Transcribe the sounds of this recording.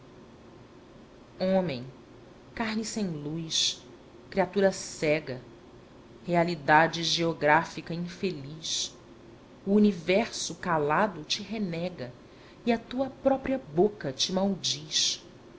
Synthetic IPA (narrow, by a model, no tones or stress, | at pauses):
õmẽj̃ | kaɾnisẽj̃lujʃ | kɾiat̪uɾɐsɛɡɐ | healid̪ad͡ʒɪʒeoɡɾafikɐĩfeliʃ | uːnivɛɾsʊkalad̪ʊt͡ʃɪɦenɛɡɐ | iɐt̪uɐpɾɔpɾiɐbokɐt͡ʃɪmawd͡ʒiʃ